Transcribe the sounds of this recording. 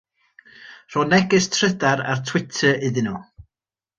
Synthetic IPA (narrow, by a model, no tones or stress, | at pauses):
r̥ɔnɛɡɪstʰrədaɾa̰rtʰw̥ɪtʰəɪðɪnɔ